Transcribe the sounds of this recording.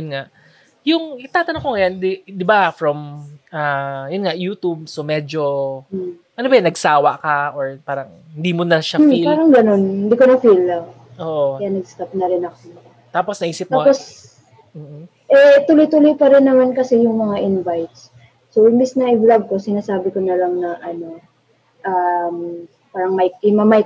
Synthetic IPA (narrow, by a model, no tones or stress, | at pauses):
jʊnŋaʔ | jʊŋʔɪt̪aːt̪ɐnoŋkoŋɐjand̪ɪd̪ɪbafɹɐmajʊnŋaʔjuːt̪ub̚somɛːd͡ʒo̞ | ʔɐnobɐjɐnɐɡsaːwɐ̰kɐʔoɹpaːɾɐŋ | hɪnd̪iːmonɐʃafilpaːɾɐŋɡɐno̞nhɪnd̪iːkonɐfilɐ | ʔoːʔokɐjanɐɡ̚st̪ɐp̚nɐɾɪnɐko | t̪aːposnɐʔiːsɪp̚maːpos | m̩ː | ʔɛt̪ʊlojt̪ʊlojpɐɾɪnːɐmankɐsɛjʊŋmɐŋaʔɪnvajt̪̚sː | owʔɪmbisnɐʔɪblɐɡ̚ko̞sɪnaːsaːbɪkonɐlɐŋnɐʔɐno̞ | ʔam | paːɾɐŋmɐjkɪmɐmaj